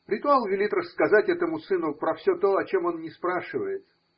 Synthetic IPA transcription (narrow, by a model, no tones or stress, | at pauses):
ɾʲɪt̪ʊalˠvʲɪlʲit̪rəsːkɐzatʲɛt̪əmʊsɨnʊpɾɐfsʲot̪o̞ɐt͡ɕo̞mo̞nnʲɪspɾaʂɨvəjɪt̪